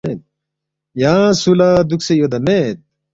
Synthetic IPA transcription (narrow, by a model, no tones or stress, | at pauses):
et̪̚ | jãːsulad̪uksejod̪ɐmet̪̚